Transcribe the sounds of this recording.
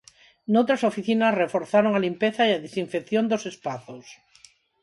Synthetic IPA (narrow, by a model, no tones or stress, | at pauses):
nowt̪ɾasofiθinɐsrefoɾθaɾoŋalimpeθaeaðesiɱfekθjond̪osespaθos